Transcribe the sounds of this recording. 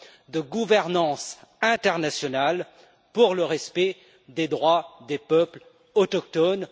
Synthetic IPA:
d̪əɡuvɛʁnɑ̃sɛ̃t̪ɛʁnasjɔnal | puʁləʁɛspɛ | d̪ed̪ʁwad̪epœpl | ɔt̪ɔk̚t̪ɔn

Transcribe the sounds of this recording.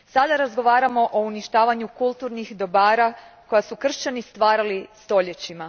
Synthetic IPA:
sad̪aɾazɡo̞ʋaːɾamo̞ʔouniʃt̪aːʋaɲukulˠt̪uɾnixd̪o̞baːɾako̞jasukr̩ʃt͡ɕanist̪ʋaːɾalist̪o̞ʎe̞t͡ɕima

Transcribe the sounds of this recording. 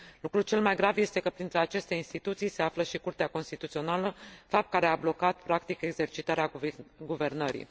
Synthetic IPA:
lukɾut͡ʃe̞lmajɡɾavje̞st̪e̞kəpɾint̪ɾeat͡ʃe̞st̪ejinst̪it̪ut̪sijse̞afləʃikurt̪eako̞nst̪it̪ut̪sio̞naləfap̚t̪̚kaɾe̞ablo̞kat̪̚pɾakt̪ike̞ɡze̞rt͡ʃit̪aɾeaɡuve̞rnəɾḭ

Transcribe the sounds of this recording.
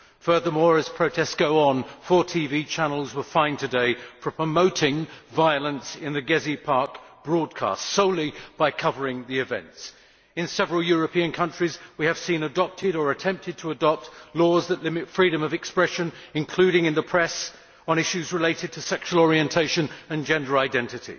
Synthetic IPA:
fɜ˞ðə˞mɔɹɨz̥pʰɹ̥oʊtʰɛstɡ̥oʊə̃nfɔɹtʰivit͡ʃʰænl̩ˠzwə˞fãɪ̃ntʰɨdeɪpʰɹ̥əpʰɹ̥əmoʊɾɪ̃ŋvaɪəlˠə̃nsɪ̃nðɨɡɛzipʰɑɹkb̥ɹɔd̚kʰæ̰stsoʊlˠib̥aɪkʰʌvə˞ɪ̃ŋðiɨvɛ̰̃nts | ɨ̃nsɛvɹəl̩ˠjɔɹɨpʰiɨ̃nkʰʌ̃nt͡ʃɹ̥izwiɨv̥sĩnɨdɑp̚tʰɪɾə˞ɨtʰɛ̃mp̚tʰɨd̚tʰəːdɑp̚tlɔzðɨʔˡlɪmɨtfɹiɾɨ̃mʌvɨkspɹɛʃɨ̃nɨ̃nkʰl̥ʉɾɪ̃ŋɨ̃nðəpʰɹ̥ɛs | ə̃n̩ɪʃʉzɹɨleɪɾɨd̚tʰɨsɛkʃwəl̩ˠɔɹiɨ̃ntʰeɪʃɨ̃nɨ̃nd͡ʒɛ̃ndə˞aɪdɛ̃ntɨɾḭ

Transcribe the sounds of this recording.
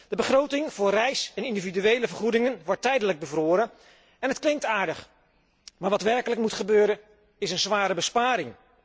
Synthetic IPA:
d̥əbəχrowtɪŋv̥ʊːrɛjsɛnɪndividyejləvəɹχudɪŋənʋɔɹtɛjdələɡ̚bəvroːɾə | ɛnɦətklɪŋtaːɹdəχ | maːɹʋɑtʋɛɹkələkmutχəbøːɾən | ɪsənzʋaːɾəbəspaːɾɪŋ

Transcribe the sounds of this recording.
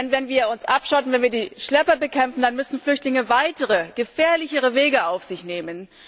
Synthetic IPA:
ɛnvɛnviːɐʊnsʔapʃɔtn̩vɛnviːɐdiːʃlɛpɐbəkʰɛmfn̩danmʏsn̩flʏçtlɪŋəvaɪtəʁəɡ̥əfɛːɐlɪçəʁ̞əveːɡəʔaʊfz̥ɪçneːmən

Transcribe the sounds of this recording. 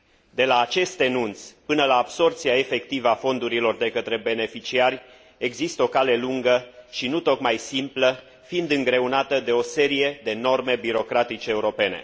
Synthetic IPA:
d̪e̞laːt͡ʃe̞st̪enunt̪spɨnəlaːbso̞rpt̪siaefe̞k̚t̪ivəafo̞nd̪uɾilo̞rd̪e̞kət̪ɾe̞be̞ne̞fit͡ʃiarʲ | e̞ɡzist̪əo̞kale̞luŋɡəʃinut̪o̞kmajsimplə | fiind̪ɨŋɡɾe̞unat̪əd̪e̞o̞se̞ɾije̞d̪e̞no̞rme̞biɾo̞kɾat̪it͡ʃeːuɾo̞pe̞ne̞̰

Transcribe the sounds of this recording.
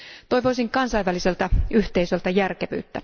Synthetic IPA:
t̪ojʋo̞jsiŋkɑnsɑjʋæliselt̪æyht̪eisø̞lt̪ɑjærkeʋy̰ːt̪ːæ

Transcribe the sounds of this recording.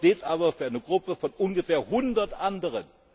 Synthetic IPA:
teːtʔaːbɐfyːɐaɪnəɡʁʊpəfɔnʔʊnɡəfeːɐhʊndɐtʔandəʁ̞ən

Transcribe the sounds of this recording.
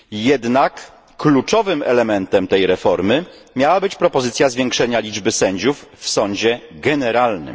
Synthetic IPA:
jɛd̪nakː | lut͡ʂɔvɘmɛ̰lɛmɛnt̪ɛmt̪ɛjɾɛfɔɾmɘ | mʲjawabɘt͡ɕpɾɔpɔzɘt̪sʲjazvʲjɛŋkʂɛɲalʲid͡ʐbɘsɛɲd͡ʑufːsɔɲd͡ʑɛɡɛnɛɾalnɘ̰m

